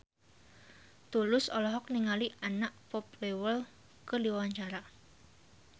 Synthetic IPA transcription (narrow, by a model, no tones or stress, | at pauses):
t̪ulʊsɔlɔɦɔk̚niŋaliʔanaʔpɔplewəl | kərdiwaɲt͡ʃaɾa